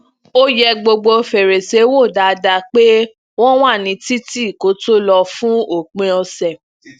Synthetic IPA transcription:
o˦jɛ˧ɡ͡bo˧ɡ͡bo˧fɛ˨ɾe˨se˨˦wo˦˨da˨˦da˧˦k͡pe˦ | wɔ̃˦w̃a˦˨nĩ˨˦ti˦ti˦˨ko˨˦to˦lɔ˧fũ˦o˨k͡pẽ˧˦ɔ˧sɛ˨

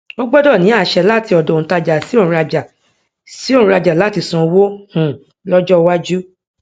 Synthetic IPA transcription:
o˦ɡ͡bɔ˦dɔ˦˨nĩ˨˦a˦˨ʃɛ˧la˦˨ti˧ɔ˨dɔ̃˨ta˧d͡ʒa˨si˦õ˦˨˧ɾa˧d͡ʒa˨ | si˨˦õ˦˨˧ɾa˧d͡ʒa˨la˨˦˨ti˧sɔ̃˧wo˦hũ˨ | lɔ˦d͡ʒɔ˦˧wa˦d͡ʒu˦

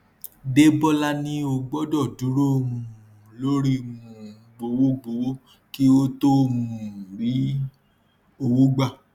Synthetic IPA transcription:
de˦bɔ˦la˦nĩ˦o˧ɡ͡bɔ˦dɔ˦˨du˨˦ɾo˦˨mũ˧˨lo˦ɾi˦mũ˨ | ɡ͡bo˨wo˦ɡ͡bo˨wo˦ | ki˦o˦to˦˨mũ˨ũ˨ɾi˨˦ | o˧wo˦ɡ͡ba˦˨

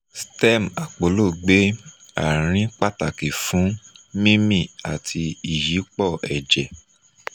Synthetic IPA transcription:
stɛ˦˨ma˨k͡po˨lo˦˨ɡ͡be˦ | a̰˨ɾ̃ĩ˨˦k͡pa˦˨ta˨ki˨fũ˨˦mĩ˦mĩ˦˨a˨tʰi˧i˨ji˨˦k͡pɔ˦˨ɛ˨d͡ʒɛ˨

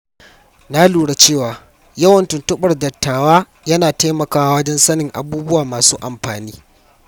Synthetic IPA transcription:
naː˦luː˨ɽa˦t͡ʃeː˦˨waː˨ | jɐ˦wɐ˨ntʊ˨ntʊ˦ɓɐ˨rdɐ˨tːaː˨waː˦ | jɐ˦naː˨ta˦mɐ˨kaː˦wa˦wɐ˦d͡ʒɛ˦nsɐ˦nɪ˨ŋʔa̰˨buː˦bʊ˦waː˨maː˨suː˦ʔa˨mɸaː˨niː˦

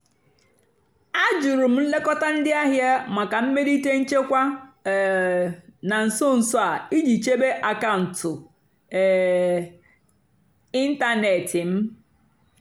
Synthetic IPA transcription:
a˦d͡ʒʊ˨ɾu˨m̩˦n̩˦le˦kɔ˦ta˦n̩˦dɪ˦a˦ɦja˦ma˨ka˨m̩˦me˦di˦te˦n̩˦t͡ʃe˦kʷa˦˨ | na˨n̩˨sʊ˦n̩˨sʊ˦a˨i˦d͡ʒi˨t͡ʃe˦be˦ʔa˨ka˦˨n̩˨tʊ˨ | i˦n̩˦ta˦ne˨tʰɪ˨m̩˦

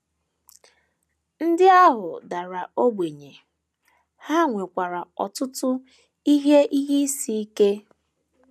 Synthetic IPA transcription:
n̩˦dɪ˦a˦ɦʊ˨da˨ɾa˨o˦ɡ͡bʷe˨ɲe˨ | ha˦˨ŋʷe˨kʷa˨ɾa˨ɔ̰˨tʊ˦tʊ˦ | i˦ɦe˦ʔi˦ɦi˦si˦i˦ke˦

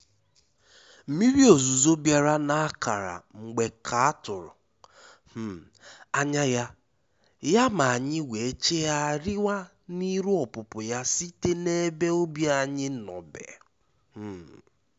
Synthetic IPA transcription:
m̩˨mi˦ɾi˦o˨zu˨zo˦bja˨ɾa˦na˦a˦ka̰˨ɾa̰˨ŋ͡m̩˨ɡ͡be˨kʰa˨a˦tʊ˨ɾʊ̰˨ | h̩˦˨ | a˦ɲa˦ja˦ | ja˦ma˨a˨ɲɪ˦wʷe˨˦t͡ʃe˦ja˦ɾɪ˦wa˦ | ni˦ɾu˦ɔ˨pʊ˨pʊ˨ja˦si˦te˦ne˦be˦o˦bja˨ɲɪ˦nɔ̰˨bḛ˨ | h̩˦˨

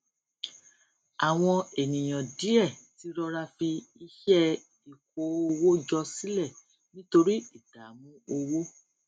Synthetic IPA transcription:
a˨w̃ɔ̃˧e˨nĩ˨j̃ɔ̃˨di˨˦ɛ˦˨ti˨˦ɾɔ˧ɾa˧fi˧i˧ʃɛ˦ | i˨ko˨˦o˧wo˦d͡ʒɔ˧si˦lɛ˦˨ | nĩ˦to˧ɾi˦i˦˨d̥a˨˦mũ˦o˧wo˦

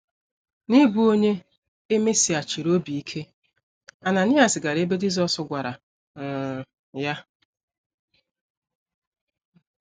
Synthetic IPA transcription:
ni˦bu˨˦o˦ɲe˦ | e˦me˦si˨a˨t͡ʃi˨ɾo˦bi˨i˦kʰe˦ | a˨na˨ni˦a˨sɪ˨ɡa˨ɾe˦be˦d͡ʒi˦zɔ˦sʊ˨ɡʷa˨ɾa˨ | ja˦

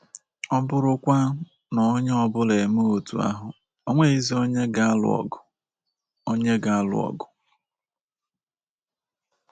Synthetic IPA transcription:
ɔ˦bʊ˦ɾʊ˦kʷa˦ | nɔ˨˦ɲ˦ɔ˦bʊ˦le˨mo˦o˨tu˨a̰˦ɦʊ˨ | o˦ŋʷe˦i˦zi˦o˦ɲe˦ɡa˦a˦lʊ̰˨ɔ̰˨ɡʊ˨ | o˦ɲe˦ɡa˨a˦lʊ̰˨ɔ̰˨ɡʊ˨

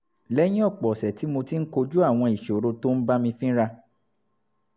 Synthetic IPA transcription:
lɛ˦j̃ĩ˦ɔ˦˨k͡pɔ˨sɛ˨ti˨˦mo˧ti˦n̩˦ko˧d͡ʒu˦a˦˨w̃ɔ̃˧i˨ʃɾo˧to˦n̩˦ba˦mĩ˧fĩ˦ɾa˧

